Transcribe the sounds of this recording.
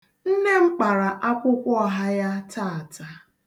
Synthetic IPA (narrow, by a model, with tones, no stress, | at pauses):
n̩˦ne˦ŋ͡m̩˦k͡pa˨ɾa˨ʔa˦kʷʊ˦kʷɔ˦ɦa˦ja˦ta˦˨a˨ta˦